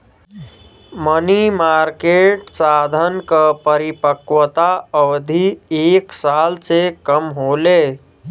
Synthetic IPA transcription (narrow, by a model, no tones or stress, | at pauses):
mənimaɾkeʈsad̪ʱənkəpəɾipəkwət̪aəwd̪ʱieksalsekəmɦole